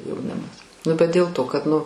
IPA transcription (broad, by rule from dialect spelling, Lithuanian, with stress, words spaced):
jɛʊˈnʲɪmɐs ˈnʊ bʲɛt dʲeːlˠ ˈtoː kɐt nʊ